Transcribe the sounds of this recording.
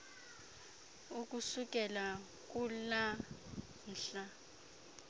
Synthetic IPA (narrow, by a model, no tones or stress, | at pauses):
uk̬ʼusuk̬ʼɛla | k̬ʼula | n̩ːɬa